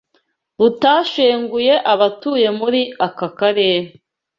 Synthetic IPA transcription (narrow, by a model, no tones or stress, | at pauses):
ɾutaːʃeːŋɡuje̞ʔaβatuːje̞muɾiakakaɾeːɾe